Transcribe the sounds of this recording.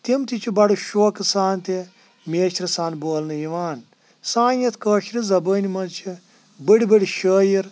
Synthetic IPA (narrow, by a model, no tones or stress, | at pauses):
t̪imt̪it͡ʃʰibɐɽɨʃoːkɨsaːnt̪i | mʲeːʃɾisaːnboːlnɨjiʋaːn | sãːjjɐt̪ʰkəːʃɾizɐbəːnimɐnt͡ʃʰi | bəɽʲibəɽʲiʃəːjiɾ